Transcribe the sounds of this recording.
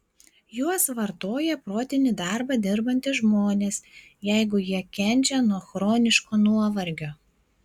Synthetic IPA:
juɔsʋɐɾt̪oːjɛpɾoːt̪ʲɪnʲɪd̪ɑˑɾbɐd̪ʲɪɾbɐnʲt̪ʲɪʒmoːnʲeːs | jɛɪɡʊjiɛkʲɛnʲt͡ʃʲɛnuɔxɾoːnʲɪʃkoːnuɔʋɐɾʲɡʲoː

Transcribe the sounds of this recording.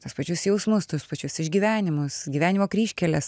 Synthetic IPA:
t̪uspɐt͡ʃʲʊsjɛʊsmʊst̪uspɐt͡ʃʲʊsɪʒʲɡʲiʋʲæːnʲɪmʊsɡʲiːʋʲæːnʲimoːkɾʲiːʃʲkʲɛlʲɛs

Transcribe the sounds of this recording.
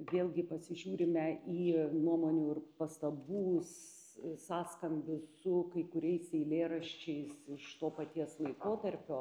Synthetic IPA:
ʋʲeːlʲˠɡʲɪpɐsʲɪʒʲuːɾʲɪmʲɛiːnuɔmoːnʲuːɪrpɐst̪ɐbuːs | sɑːskɐmʲbʲʊsʊkɐɪkʊɾʲɛɪsʲɛɪlʲeːɾɐʃʲt͡ʃʲɛɪsɪʃt̪oːpɐt̪ʲiɛslˠɐɪkoːt̪ɐrʲpʲoː

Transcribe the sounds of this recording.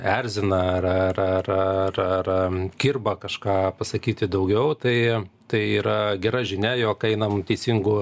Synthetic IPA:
æɾʲzʲɪnɐɐɾɐɾɐrrɐrkʲɪrbɐkɐʃkɑːpɐsɐkʲiːt̪ʲɪd̪ɐʊɡʲɛʊt̪ɐɪt̪ɐɪiːɾɐɡʲɛɾɐʒʲɪnʲɛjoːkɐɪnɐmt̪ʲɛɪsʲiŋɡʊ

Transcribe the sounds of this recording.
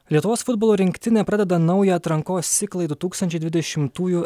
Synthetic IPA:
lʲiɛt̪ʊʋoːsfʊd̪boːlˠoːɾʲɪŋʲkʲt̪ʲɪnʲɛːpɾɐd̪ʲɛd̪ɐnɐʊjɛɐt̪ɾɐŋkoːsʲɪklˠɐɪd̪ʊt̪uːkst̪ɐnʲt͡ʃʲɛɪd̪ʋʲɪd̪ʲɛʃʲɪmt̪uːju

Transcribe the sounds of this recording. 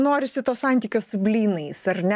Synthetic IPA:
noːɾʲɪsʲɪt̪oːssɑˑnʲt̪ʲiːkʲoːssʊbʲlʲiːnɐɪsɐrnʲ

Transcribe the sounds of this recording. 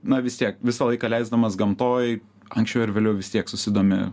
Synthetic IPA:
nɐʋʲɪst̪ʲiɛkʋʲɪsɐlˠɐɪkɐlʲɛɪzd̪ɐmɐsɡɐmt̪oːj | ɐŋksʲt͡ʃʲɛʊɪɾʋʲeːlʲɛʊʋʲɪst̪ʲiɛksʊsʲɪd̪oːmʲɪ̰

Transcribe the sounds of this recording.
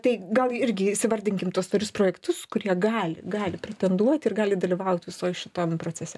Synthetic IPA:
t̪ɐɪɡɐlˠɪɾʲɡʲɪsʲɪʋɐɾʲd̪ʲɪŋʲkʲɪmt̪uɔst̪ʋɐlʲʊspɾoːjɛkt̪ʊskʊɾʲiɛɡɑːlʲɪ̰ɡɑːlʲɪpʲɾʲɛt̪ʲɛnd̪uɔt̪ʲɪrɡɑːlʲɪd̪ɐlʲiʋɐʊt̪ʲʋʲɪsoːjʃʲɪt̪oːmpɾoːt͡sʲɛsʲɛ

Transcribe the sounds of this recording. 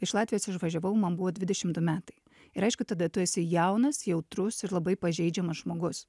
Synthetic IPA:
ɪʃlˠɑːt̪ʲʋʲɪjoːsɪʃʋɐʒʲɛʋɐʊmɐnbuʋoːd̪ʲʋʲɪd̪ʲɛʃʲɪmd̪ʊmʲæːt̪ɐɪ | ɪɾɐɪʃkʊt̪ɐd̪ɐt̪ʊjɛsʲɪjɛʊnɐsjɛʊt̪ɾʊsɪɾlˠɐbɐɪpɐʒʲɛɪd͡ʒʲɛmɐsʒmoːɡʊs

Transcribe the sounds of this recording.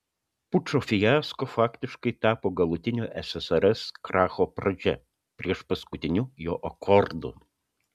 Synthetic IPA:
pʊt͡ʃofʲɪjaːskofɑːkt̪ʲɪʃkɐɪt̪ɑːpoːɡɐlˠʊt̪ʲɪnʲoʔɛsɛsɛɾɛskɾɑːxopɾɐd͡ʒʲɛ̰ | pʲɾʲiɛʃpɐskʊt̪ʲɪnʲujoːʔɐkʰɔɾd̪ʊ̰

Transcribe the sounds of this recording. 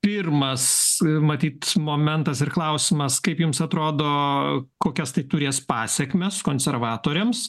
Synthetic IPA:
pʲɪrmɐsmɐt̪ʲiːt̪moːmʲɛnt̪ɐsɪrklˠɐʊsʲɪmɐskɐɪpjʊmsɐt̪ɾoːd̪oːkoːkʲɛst̪ɐɪt̪ʊɾʲeːspɑːsʲɛkmʲɛskoːnʲsʲɛɾʋɑːt̪oːɾʲɛms

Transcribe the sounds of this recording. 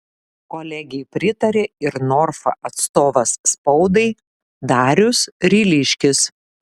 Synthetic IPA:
koːlʲɛɡʲɛɪpʲɾʲɪt̪ɐɾʲeːɪɾnɔːɾfɐ̰ʔɐt̪st̪oːʋɐsːpɐʊd̪ɐɪ | d̪ɑːɾʲʊsɾʲiːlʲɪʃʲkʲɪs

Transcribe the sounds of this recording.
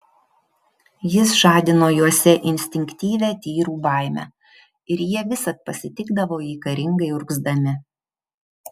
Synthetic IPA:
jɪsʒɑːd̪ʲɪnoːjuɔsʲɛʔɪnʲsʲt̪ʲɪŋʲkt̪ʲiːʋʲæːt̪ʲiːɾuːbɑˑɪmʲæ̰ː | ɪɾjiɛʋʲɪsɐt̪̚pɐsʲɪt̪ʲɪɡd̪ɐʋoːiːkɐɾʲɪŋɡɐɪʊɾɡzd̪ɐmʲɪ

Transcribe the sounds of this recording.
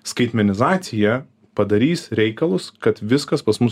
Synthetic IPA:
skɐɪt̪ʲmʲɛnʲɪzɑːt̪sʲɪjɛ | pɐd̪ɐɾʲiːsɾʲɛɪkɐlˠʊskɐt̪ʋʲɪskɐspɐsmʊs

